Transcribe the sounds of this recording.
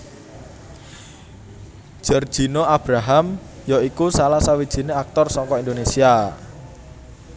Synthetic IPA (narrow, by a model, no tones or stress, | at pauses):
ʒ̥ard̥ʒ̥i̤noab̥ɾaɦamjaikusalahsawid̥ʒ̥i̤neak̚t̪ɔrsɔŋkɔind̪onesia